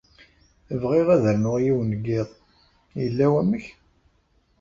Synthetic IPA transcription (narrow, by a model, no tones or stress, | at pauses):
əvʁeʁæðəɾnʊʁjiwnəɡːɪðˤ | jəlːæwæməç